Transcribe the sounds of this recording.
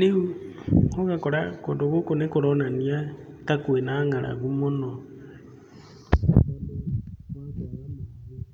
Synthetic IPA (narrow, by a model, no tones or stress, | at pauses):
neu | oɣakoɾakodoɣokonekoɾɔnaniatakwenaŋaɾa̰ɣumono